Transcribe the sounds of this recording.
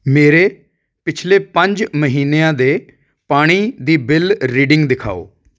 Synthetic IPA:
meːɾeː | pɪt͡ʃʰleːpəɲd͡ʒməɦiːneːãːd̪eː | paːɽ̃iːd̪iːbɪlɾiːɖɪ̃ŋɡd̪ɪkʰa̰ːo̰ː

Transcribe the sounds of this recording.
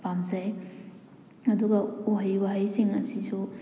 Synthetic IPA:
pamzɐj | ɐduɡɐuɦajwaɦajsiŋɐsisu

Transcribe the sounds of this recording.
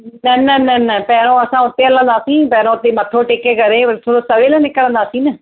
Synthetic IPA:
nənənɛnɛpɛːɾõːəsãːʊt̪ːeːələ̃ːnd̪aːsĩːpɛːɾõːʊt̪ːeːməʈʰːoːʈeːkːeːkəɾeːt̪ʰoːɾoːsəʋeːləːnɪkːəɽə̃ːnd̪aːsĩːnə

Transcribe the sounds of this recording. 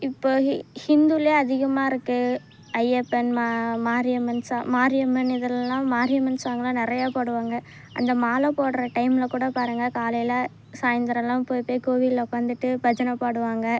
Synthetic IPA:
ɪpːoːhɪnd̪uleːɐðɪɣɐmaːɪɾɯkːɯ | ɐjepːɛnmmaːɾɪjɐmɐnsamaːɾɪjɐmɐnɪðɐlɐlãːmaːɾɪjɐmɐnsaːŋɡɐlãːnɪɾɐjaːpoːɽɯʋaːŋɡɐ | ɐ̰nd̪ɐmaːlɐpoːɽɾɐʈɐɪmɪlɐkuːɽɐpaːɾɯŋɡɐkaːlɐjɪlɐ | saːjɐnd̪ɐɾɐlːãːpoːjpːeːkoːʋɪlɐkːɐnd̪ɯʈːɯpɐd͡ʒɐnɐpaːɽɯʋaːŋɡɐ

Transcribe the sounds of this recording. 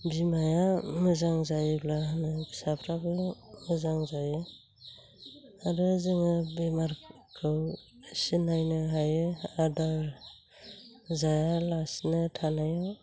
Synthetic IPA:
bimajamɯzaŋzajɯblanɯsapʰɾablamɯzaŋzajɯ | adɯzɯŋabemaɾ | kʰɯw | sinajnɯɦajɯadaɾ | zajalasnɯtʰanaja

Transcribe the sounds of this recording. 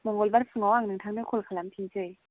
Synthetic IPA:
mɔŋɡolbarfʰɯŋɔwaŋnɯŋtʰaŋnɯkʰolkʰalampʰint͡ɕɯj

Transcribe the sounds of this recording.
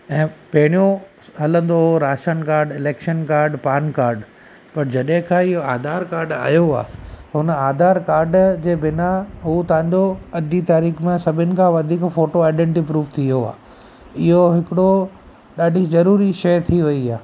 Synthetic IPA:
ɛ̃ːpɐɦɪɽ̃ijõ | ɦɐlə̃nd̪oɦoɾaːʃənkaːɾɖɪleːkʃənkaːɾɖpaːnkaːɾɖ | pɐɾd͡ʑɐɗɦɪ̃kʰãːɪɦoaːd̪ʱaːɾkaːɾɖa̰ːjoa̰ːɦʊnaːd̪ʱaːɾkaːɾɖd͡ʑeːbɪnaɦut̪ɐ̃ʋ̤ə̃ɲd͡ʑoɐd͡ʑit̪aːɾiːkmẽsɐbʱɪnɪ̆kʰãʋɐd̪ʱiːkfoːʈoaːɪɖẽɳʈipɾuːʋt̪ʰijoa̰ː | ɪɦoɦɪkɪɽo | ɗaːɖʱizɐɾuːɾiʃɐjt̪ʰiʋɐiaː

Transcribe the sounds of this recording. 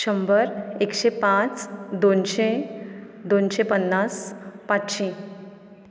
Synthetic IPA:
əmbəɾekɕepãt͡sd̪onɕe | d̪onɕepənːaspatɕĩ

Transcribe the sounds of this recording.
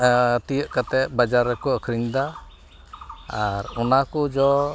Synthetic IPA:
t̪ijəʔkat̪ɛʔ̚bad͡ʒaɾːɛkɔəkʰɾiɲd̪a | aɾɔnakɔd͡ʒɔ

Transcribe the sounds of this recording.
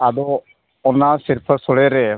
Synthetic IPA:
ad̪ɔ | ɔnasiɾpʰəɾsɔɽɛɾɛ

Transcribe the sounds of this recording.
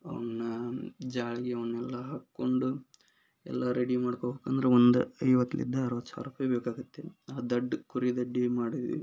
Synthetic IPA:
ɐ̰ʋɐnnɐd͡ʒaːɭiɡeɐʋɐɳːɛlːɐɦaːkːo̞ɳɖu | ɛ̰lːɐɾeɽimaːɽkoɦokɐnd̪ɐɾeond̪uɐjʋɐt̪ːɐlḭd̪ːɐːɾʋɐt̪ːsa̰ʋɾupajbeːkaːɡut̪ːe̞aːd̪ɐɖːkuɾid̪ɐɖːimaːɽiʋiʋḭ

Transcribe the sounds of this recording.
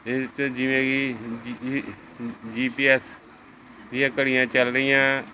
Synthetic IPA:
ɪt͡ʃd͡ʒɪʋẽːɡi | d͡ʒiːpiːɛs | d̪ɪjãːkəɽɪjãːt͡ʃəlɾəɪjãː

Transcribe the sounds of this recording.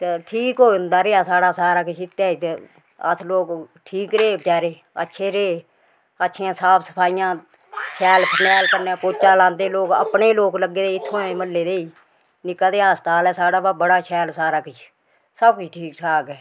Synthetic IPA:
t̪eʈʰiːkɦoːʊnd̪aːɾeːaːsaːɽaːsaːɾaːkɪt͡ʃʰɪt̪ːaːit̪e | ə̰t̪ʰloːkʈʰiːkɾeːbət͡ʃaːɾeː | ə̰tːʃʰeːɾeː | ətːʃʰeːãːsaːpʰsə̥pʰaːijãː | t͡ʃʰɛːlpʰənɛːlkəɾnɛ̃ːpoːt͡ʃaːlãːnd̪eːloːkə̰pɳeːloːkləɡːeːd̪eːɪt̪ʰːõːɛ̃məlːeːd̪eːiː | nɪkːaːd̪eːaːst̪aːlɛːsaːɽaːbabəɽaːʃʰɛːlsaːɾaːkɪt͡ʃʰ | səbkʊt͡ʃʰʈʰiːkʈʰaːɡɛː

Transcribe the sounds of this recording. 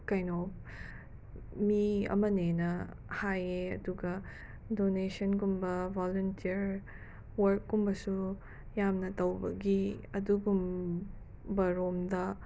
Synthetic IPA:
kɐjnop | miɐ̰mɐnenɐ | hajeɐ̰duɡɐ | donesɐnkumbɐbʱoluntiɐɾ | wɐɾkːumbɐsu | jamnɐtɐwbɐɡiɐduɡum | bɐɾomdɐ

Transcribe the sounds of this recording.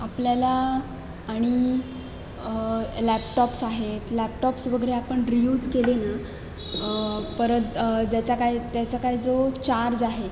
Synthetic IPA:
apljalaː | ɽ̃i | læpʈɔpsaɦet̪lɛpʈɔpsʋəɡɾeapəɳɾijuːd͡zkelena | pəɾət̪d͡ʑat͡ɕakajt̪jat͡sakajd͡zot͡ɕaɾd͡zaɦe

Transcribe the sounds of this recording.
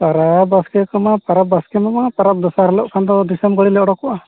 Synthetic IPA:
paɾabaskɛkɔmapaɾap̚baskɛmamapaɾap̚d̪ɔsaɾlɔ̰ʔkʰand̪ɔd̪isɛmɡəɽilɛʔɽɔkɔʔa

